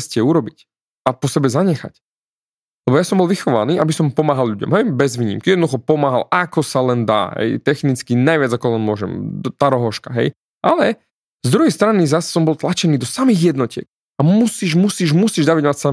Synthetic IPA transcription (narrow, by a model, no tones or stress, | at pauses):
scɛuɾɔbic | apɔsɛbɛzaɲɛxa̰c | lɛbɔjasɔmbɔlʋixɔʋa̰niːʔabisɔmpɔmaːɦalʎuɟɔ̰mɦɛjbɛzʋiːɲḭmkijɛd̪nɔd̪uxɔpɔmaːɦa̰lʔakɔsalɛnd̪a̰ːɦɛ̰jt̪ɛxnit͡skinajʋɪad͡zakɔlɛnmʊɔʒɛ̰mt̪aɾɔɦɔʃkaɦɛ̰j | ʔa̰lɛ | zd̪ɾuɦɛjst̪ɾanizassɔmbɔlˠt̪lat͡ʃɛniːd̪ɔsamiːɣjɛd̪nɔcɪɛ̰k̚ | amusiːʒmusiːʒmusiːʒd̪aʋiɟmacsa